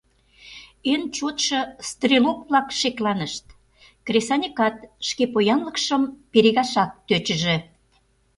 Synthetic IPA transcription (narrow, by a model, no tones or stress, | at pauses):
ent͡ɕot̪ʃɤ̆st̪rʲilopβlɑkʃeklɑnəʃt̪ | krʲesɑnʲikɑt̪ʃkepojɑnlə̆kʃəmpeɾeɣɑʃɑk̚t̪øt͡ɕə̆ʒĕ